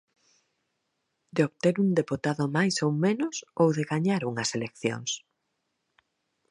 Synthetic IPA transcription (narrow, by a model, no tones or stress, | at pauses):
d̪eoβt̪eɾuŋd̪eput̪aðʊmajsowmenʊsowðeɣaɲaɾuŋɐselekθjo̰ŋs